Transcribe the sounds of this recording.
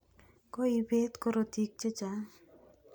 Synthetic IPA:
koibet̪kɔɾot̪ik̚t͡ʃet͡ʃa

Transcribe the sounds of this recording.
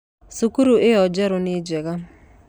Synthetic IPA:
sukuɾuʔɪjɔd͡ʒɛɾʊnid͡ʒɛɣa

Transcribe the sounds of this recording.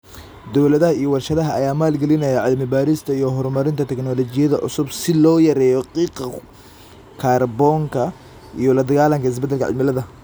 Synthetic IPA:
d̪ɔwlɐðɐɦɐijɔwɐrʃɐðɐɦɐːjaːmaːlɡɛlɪnɐjɐʕɪd̪mɪbaːɾɪst̪ʰɐijɔɦɔrmɐɾɪnt̪ʰɐt̪ʰɛknɔlɔt͡ʃɪjɐðɐʕʊ̰sʊbsɪlɔːjɐɾɛjɔqiːqɑ | kʰaːrbɔŋkʰɐ | ʔijɔlɐd̪ɐɣaːlɐŋkɐɪs̬bɛd̪ːɛlkʰɐʕɪ̰d̪mɪlɐðɐ

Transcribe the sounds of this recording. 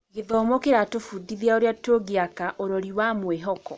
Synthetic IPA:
ɣeðɔmokeɾatofudiðiaoɾjatoɣeakaʔoɾɔɾiwamweɦɔkɔ

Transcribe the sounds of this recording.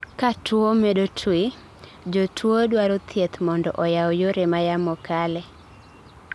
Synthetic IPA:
katwomedotʰwɪ | d͡ʒotʰwodwaɾot̪ʰjet̪mɔndɔʔɔjawjoɾemajamɔkalɛ

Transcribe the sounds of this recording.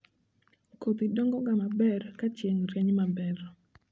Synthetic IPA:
kot̪idɔŋɡɔɡamabɛrkat͡ʃjeŋɾɛɲmabɛɾ

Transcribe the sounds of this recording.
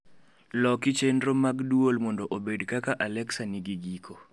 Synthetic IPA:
lɔkɪt͡ʃendɾomaɡdwolmɔndɔʔobedkakaʔalɛksaniɡiɡikʰo

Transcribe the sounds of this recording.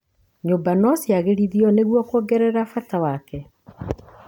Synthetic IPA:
ɲobanɔsjaɣeɾiðiɔneɣwɔkoːɡɛɾɛɾafatawakɛ

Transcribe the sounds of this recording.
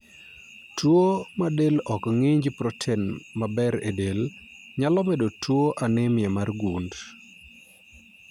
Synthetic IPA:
twomadelɔkŋiɲd͡ʒpɾɔtʰɛnmabɛɾḛdelɲalɔmɛdotʰwoʔanɪmjɛmarɡund

